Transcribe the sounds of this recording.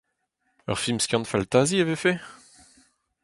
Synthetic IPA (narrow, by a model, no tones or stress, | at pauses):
œ̰ʁfilmskʲjɑ̃nfalt̪aziavefe